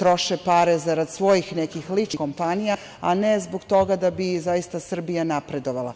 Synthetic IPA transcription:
t̪ɾo̞ʃepaɾezaɾad̪sʋo̞jixnekixlit͡ʃiko̞mpanija | a̰nezboɡt̪o̞ɡad̪abizajist̪asr̩bijanapɾe̞d̪o̞ʋalˠa̰

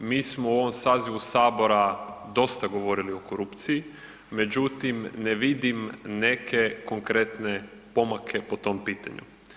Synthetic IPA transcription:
miːsmouo̞ʋo̞msaːziʋusaːbo̞ɾad̪o̞st̪aɡo̞ʋo̞ɾilio̞koɾupt̪siji | me̞d͡ʑut̪imneʋid̪imne̞kʰe̞ko̞ŋkɾet̪ne̞ | po̞makʰe̞po̞t̪o̞mpiːt̪a̰ɲṵ

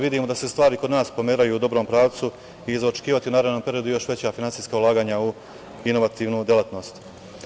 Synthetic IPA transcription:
ʋid̪iːmo̞d̪ase̞st̪ʋaːɾiko̞d̪naːspo̞meːɾajuːd̪o̞bɾo̞mpɾaːʋt̪su | iːzaot͡ʃe̥kiːʋat̪iunaːɾad̪no̞mpe̞ɾijod̪ujo̞ʃʋe̞t͡ɕafinansiːskaulˠaːɡaːɲau | ino̞ʋat̪iːʋnud̪jelat̪no̞ːst̪

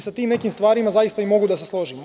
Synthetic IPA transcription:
sat̪iːmne̞kimst̪ʋaːɾimazajist̪aimo̞ɡud̪aseslˠo̞ʒim

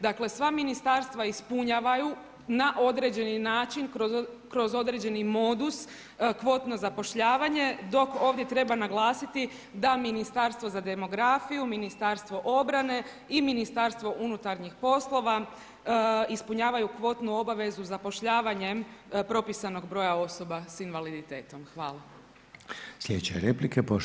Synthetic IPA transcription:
d̪akle̞sʋaminist̪aɾst̪ʋaispuɲaːʋaju | naʔo̞d̪ɾe̞d͡ʑe̞ninaːt͡ʃinkokɾo̞zo̞d̪ɾe̞d͡ʑe̞nimo̞d̪us | kʋo̞t̪no̞zapo̞ʃʎaːʋaɲe̞d̪o̞ko̞ːʋd̪ʲje̞t̪ɾe̞banaɡlˠaːsit̪i | d̪aminist̪aɾst̪ʋo̞zad̪e̞mo̞ɡɾaːfijuminist̪aɾst̪ʋo̞ʔo̞bɾane̞ | iminist̪aɾst̪ʋo̞ʔunut̪aɾɲixpo̞slˠo̞ʋa | ispuɲaːʋajukʋo̞t̪nuo̞baʋe̞zuzapo̞ʃʎaːʋaɲe̞mpɾo̞pisano̞ɡbɾo̞ːjao̞so̞basinʋalid̪it̪e̞ːt̪o̞mxʋa̰ːlˠa | slʎed̪et͡ɕeɾeplikepo

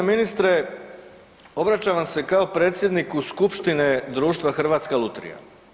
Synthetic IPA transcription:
minist̪ɾe | o̞bɾat͡ɕaːʋamse̞kao̞pɾeːt̪sjed̪nikuskupʃt̪ine̞d̪ɾuːʃt̪ʋaxr̩ʋaːt̪skalˠut̪ɾḭja̰

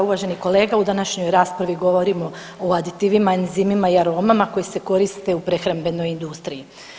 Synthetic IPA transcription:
uʋaʒe̞niko̞le̞ːɡaud̪anaʃɲo̞jɾaːspɾaʋiɡo̞ʋo̞ɾimo̞ | oad̪it̪iʋimanzimimaiaɾo̞ːmamako̞jese̞ko̞ɾist̪e̞upɾe̞xɾambe̞no̞jind̪ust̪ɾiji

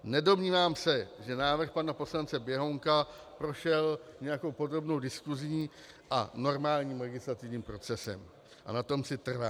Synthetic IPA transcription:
nɛdo̞mɲiːvaːmsɛʒɛnaːvr̩xpanapo̞slant͡sɛbjɛɦo̞ŋka | pɾo̞ʃɛlɲɛjako̞wpo̞d̪ɾo̞bno̞wdɪskuzɲi | ʔa̰no̞ɾmaːlɲiːmlɛɡɪslat̪ɪvɲiːmpɾo̞t͡sɛsɛ̰m | ʔa̰nat̪o̞msɪt̪r̩vaː

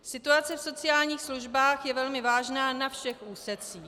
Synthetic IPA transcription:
sɪt̪uat͡sɛfso̞t͡sɪaːlɲiːxsluʒbaːxjɛvɛlmɪvaːʒnaːnafʃɛxʔuːsɛt͡siː

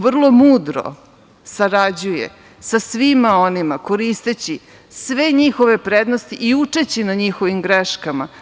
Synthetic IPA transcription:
ʋr̩lˠo̞muːd̪ɾo̰ | saɾad͡ʑujḛ | sasʋimaonimako̞ɾist̪et͡ɕi | sʋeɲixo̞ʋe̞pɾed̪nost̪iʔiut͡ʂet͡ɕinaɲixo̞ʋimɡɾeʃkama

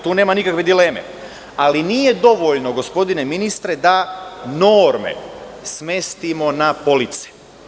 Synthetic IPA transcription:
t̪uːneːmanikakʋe̞d̪ile̞ːmḛ | aliniːje̞d̪o̞ʋoʎnoɡo̞spo̞d̪ine̞minist̪ɾe̞d̪ano̞ːɾmḛsme̞st̪imo̞napo̞lit̪se̥

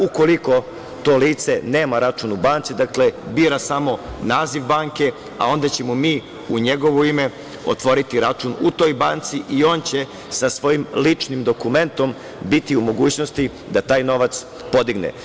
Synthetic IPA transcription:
uko̞liko̞ | t̪o̞ːliːt̪se̞ne̞ːmaɾat͡ʃunubaːnt̪sid̪akle̞biːɾasamo̞naːziʋbaːŋke̞ | a̰o̞nd̪at͡ɕe̞momiː | uɲeɡo̞ʋoime | o̰t̪ʋo̞ɾit̪iɾat͡ʃunut̪o̞jbaːnt̪siʔio̞ːnt͡ɕe̞ | sasʋo̞jimlit͡ʂnimd̪o̞kume̞nt̪o̞m | bit̪iumo̞ɡuːt͡ɕno̞st̪i | d̪at̪aːjno̞ʋat̪s | po̞d̪iɡnḛ

